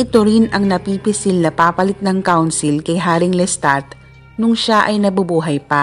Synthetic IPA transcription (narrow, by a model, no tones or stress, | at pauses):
ʔɪt̪oɾɪnɐŋnɐpipɪsɪlnɐpaːpɐlɪt̪̚nɐŋkawnsɪlkɐjɦaːɾɪŋlɛst̪at̪ | nʊŋʃaʔɐjnɐbʊbuːɦɐjpɐ